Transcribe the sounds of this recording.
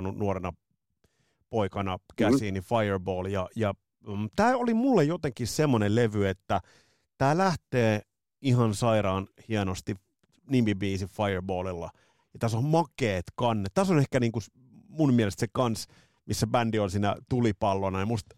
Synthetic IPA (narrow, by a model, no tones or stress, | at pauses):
nunuoɾenɑ | poikɑnɑkæsiːnifɑjerboːljɑjɑ | t̪æːolimulːejjot̪eŋkissemːoneleʋyet̪ːæ | t̪æːlæht̪eː | ihɑnsɑiɾɑːnhienost̪i | nimbibiːsiffɑjerboːlilːɑ̰ | jɑt̪æsommɑkeːt̪kɑnːet̪t̪æsonehkæniːŋku | mummiælest̪sekɑns | misːæbændiolsiːnæ̰t̪ulipɑlːonɑjɑmust̪